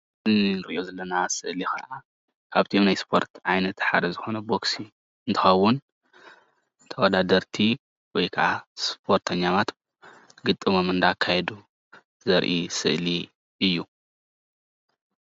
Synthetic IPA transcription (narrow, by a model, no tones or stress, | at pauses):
ɨninɨɾʔijo̞zɐlːɐnasɨʔlixɨ̰ʔa | kʰaβt̪ʰiomnajspʰo̞̰ɾt̪ʕajnɐt̪ħa̰d̪ɐzɨxo̞nɐbo̞ksi | ɨnt̪ʰɨ̥xɐwːʊn | t̪ʰɐwɔd̪ad̪ɐɾt̪ʰi | wɔjkʰɐʔaspʰo̞ɾt̪ʰɐɲːamat̪ | ɡɨt̪ʼːɨmomɨnd̪akʰajɛd̪u | zɐɾʔisɨ̰ʔli | ɨjːu